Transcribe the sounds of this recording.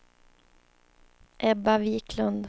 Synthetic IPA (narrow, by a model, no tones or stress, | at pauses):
ʔɛbaviːkʰlɵnd̪